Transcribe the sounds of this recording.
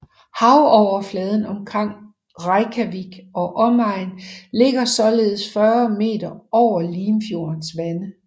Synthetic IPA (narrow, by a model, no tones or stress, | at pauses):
hɑ̈ʊɒʊ̰ɐflɛːð̞ˠən̩ɒ̽mkʰʁaŋ̰ | ʁɑ̈ɪkʰæʋiɡ̥ɒ̽ʔɒ̽mɑ̈ɪ̰nle̝ɡ̥ɐsɒ̽le̝ːð̞̩ˠsfɶɐme̝̰ːd̥ɐɒʊ̰ɐliːmfjo̝ɐnsʋænə